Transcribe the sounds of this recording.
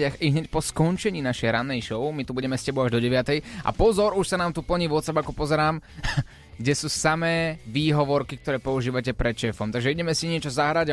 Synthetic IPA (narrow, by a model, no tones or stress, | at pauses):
axiɦɲɛcpɔskɔnt͡ʃɛɲiːnaʃɛjɾanːɛjʃɔʊmit̪ubuɟɛmɛscɛbɔʊaʒd̪ɔɟɛʋɪat̪ɛjʔa̰pɔzɔɾuʃsanaːmt̪upl̩ɲiːʋɔt̪t͡sabakɔpɔzɛɾaːm | ɡɟɛsuːsamɛːʋiːɦɔʋɔɾkik̚t̪ɔɾɛːpɔuʒiːʋacɛpɾɛt̪t͡ʃɛːfɔmt̪aɡʒɛiɟɛmɛsiɲɪɛt͡ʃɔzaɦɾaɟa